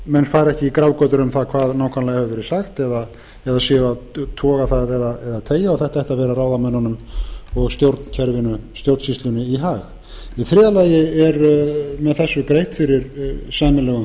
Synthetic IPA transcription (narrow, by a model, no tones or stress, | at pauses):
mɛnːfaːjɾɛhcɪikɾaːwkɔt̪ʏɾʏmθakʰvaːðnaːwkʰanalajhɛvvɛɾɪ̥saxt̪ɛða | ɛðasɪːvat̪ʰɔːɣaθaðɛðaɛðat̪ʰeːjaawθɛht̪aɛjht̪avɛːɾaraːwðamɛnːanʏmɔɣst̪jowɾt̪n̥cʰɛɾvɪnʏst̪jowɾt̪sist̪lʏnːɪiɦaːx | iθɾɪːðalaːjɪɛɾmɛðθɛsːʏkɾejht̪fɪɾɪɾsaːmɪlɛːɣʏ